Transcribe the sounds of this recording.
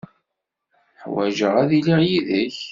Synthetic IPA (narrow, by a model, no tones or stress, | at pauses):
ħwæ̰ʒəʁæðiliʁjiðəç